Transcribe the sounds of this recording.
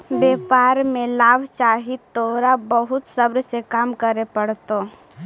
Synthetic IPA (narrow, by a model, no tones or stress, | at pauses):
beːpaːɾmẽlaːbʱt͡ʃaːɦit̪oːɾabəɦʊt̪səbɾsekaːmkəɾepəɽt̪o